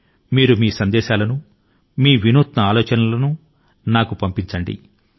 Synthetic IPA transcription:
miːɾumiːsɐnd̪ɛːʃaːlɐnu | miːʋinuːt̪nɐaːlɔːt͡ʃɐnɐlɐnu | naːkupɐmpiɲt͡ʃɐɳɖḭ

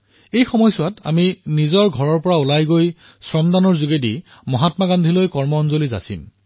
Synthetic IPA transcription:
ejxɔmɔjsʊwata̰minizɔɹɡʱɔɹɔɹpɔɹaulajɡoj | sɹɔmdanɔɹzuɡedi | mɔɦatmaɡandʱilojkɔɹmɔɔnzoliza̰sḭm

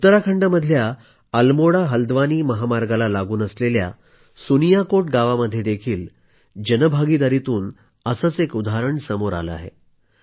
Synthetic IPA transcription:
ut̪ːəɾakʰəɳɖaməd̪ʱja | əlmoɽaɦəld̪ʋaniːməɦamaɾɡalalaɡuːnəslelja̰ | sunijakoʈ̚ɡaʋaməd̪ʱːjed̪ekʰiːl | d͡ʑənəbʱaɡid̪aɾit̪uːn | əsəːt͡sekud̪ʱaɾəɳsəmoɾa̰lə̰a̰ɦḛ

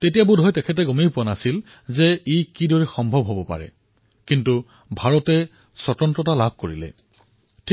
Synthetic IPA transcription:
tetijabʊdʱɔjtɛkʰɛt̬ɛɡɔmejpuanasil | zɛijkidɔɹɛxɔmbʱɔbʱɦobɔpa̰ɹɛ̰ | kintu | bʱaɹɔtɛ | sɔtɔntɔtalab̚ʱkoɹilɛ̰ | tʰ

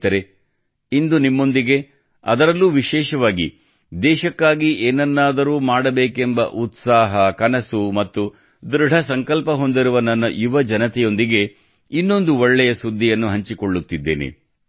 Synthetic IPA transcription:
t̪ɐɾe̞ | ind̪unimːo̞nd̪iɡe̞ | ɐ̰d̪ɐɾɐlːuːʋiʃɛːʃɐʋaːɡḭ | d̪ɛːʃɐkːaːɡiʔeːnɐnːaːd̪ɐɾuːmaːɽɐbeːkembɐ̰ʔut̪saːɦɐkɐnɐsumɐt̪ːu | d̪ɾɪɖʱɐsɐŋkɐlpɐɦo̞nd̪iɾuʋɐnɐnːɐjuʋɐd͡ʒɐnɐt̪ɛjo̞nd̪iɡe̞ | inːo̞nd̪uɔɭːɛjɐsud̪ʱːijɐnːuɦɐɲt͡ʃiko̞ɭːut̪ːid̪ːeːnḛ

